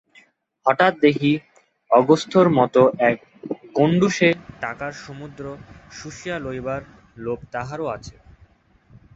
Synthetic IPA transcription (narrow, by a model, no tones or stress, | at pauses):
hɔʈat̪̚d̪ekʰi | ɔɡost̪ʰoɾmɔt̪oʔɛk̚ | ɡoɳɖuʃeʈakaɾʃomud̪ɾoʃuʃialojbaɾ | lobt̪aɦaɾoat͡ɕʰe̥